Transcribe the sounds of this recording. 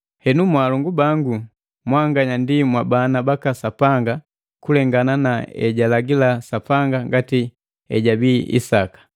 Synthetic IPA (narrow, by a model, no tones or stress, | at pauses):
hɛnumwaːlɔŋɡubaŋɡu | mwaŋɡaɲandimwabanabakasapaŋɡa | kulɛŋɡananaɛ̰ɟalaɡilasapaŋɡaŋɡati | ɛɟabiḭsakḁ